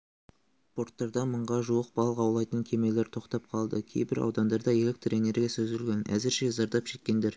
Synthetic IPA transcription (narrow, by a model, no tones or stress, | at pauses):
spo̞ɾt̪ːɑɾd̪ɑməɴʁɑʒuwəq̚b̥ɑlˠəqɑwlˠɑjt̪əŋkʲʰe̞me̞le̞ɾt̪ʰo̞qt̪ɑp̚qʰɑlˠd̪əkʲʰe̞jbɪɾɑ̰wd̪ɑnd̪ɑɾd̪ɑje̞le̞k̚t̪ɾene̞ɾɡʲiesɵzʏlɡʲe̞næ̰zɪɾʃe̞zɑɾd̪ɑpʒe̞k̪ʲkʲe̞nd̪e̞ɾ